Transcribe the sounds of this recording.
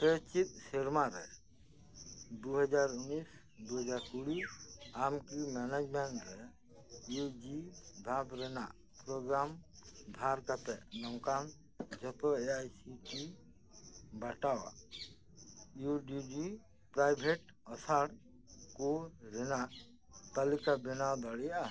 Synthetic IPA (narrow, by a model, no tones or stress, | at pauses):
pɛt͡ʃit̪̚sɛɾmaɾɛ̰ | d̪uɦɔd͡ʒaɾunis | d̪uɦɔd͡ʒaɾkuɽiamkimanad͡ʒmɛɳʈɾɛ | jud͡ʒib̪ʱabɾɛnaʔ | pɾɔɡɾamb̪ʱaɾkat̪ɛʔnɔwkan | d͡ʒɔt̪ɔeajsiki | baʈawa̰ | juɖid͡ʒi | pɾajbʱeʈ | ɔsaɽ | kɔɾɛnaʔ | t̪alikabɛnawd̪aɽɛja